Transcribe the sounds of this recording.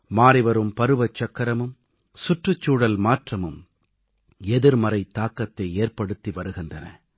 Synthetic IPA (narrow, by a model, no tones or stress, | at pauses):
maːɾɪʋɐɾɯmpɐɾɯʋɐt͡ʃːɐkːɐɾɐmɯm | sʊʈrɯt͡ʃːuːɽɐlmaːʈrɐmɯm | ɛðɪɾmɐɾɐɪt̪ːaːkːɐt̪ːɐɪeːrpɐɽɯt̪ːiʋɐɾɯɣɪndrɐnɐ̰